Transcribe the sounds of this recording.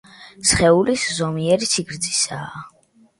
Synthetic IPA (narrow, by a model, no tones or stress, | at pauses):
sχɛuliszɔmiɛɾisʰiɡɾd̪zisaː